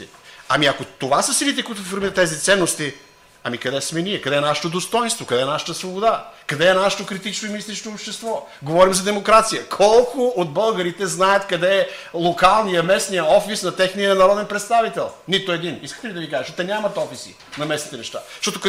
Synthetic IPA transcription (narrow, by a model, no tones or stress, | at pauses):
ɐmiɐkot̪ovasəsilit̪ɛkoit̪ʊsfoɾmiɾət̪ːɛzit̪sɛnːost̪i | ɐmikɐd̪ɛsmɛniɛkɐd̪ɛːnaʃɛ̥t̪od̪ost̪ɔjnst̪vokɐd̪ɛnaʃə̥t̪əsvobod̪akɐd̪ɛːnaʃə̥t̪okɾit̪it͡ʃnoiminist̪it͡ʃnoːpʃt̪ɛst̪vɔ | ɡovɔɾimzɐd̪ɛmokɾat̪sijəkʰɔlˠkʊod̪̚bəlˠɡɐɾit̪ɛznaət̪kɐd̪ɛɛlˠokalˠnijɐmɛsnijəɔfisnɐt̪ɛxnijəɐnɐɾɔd̪ɛnpɾɛt̪st̪avit̪ɛlˠnit̪oɛd̪iniskə̥t̪ɛlid̪ɐvikaʒɛʃɔt̪ɛnʲamɐt̪ɔfisḭ | nɐmɛsnit̪ɛnɛʃt̪a̰ʃt̪ɔt̪ok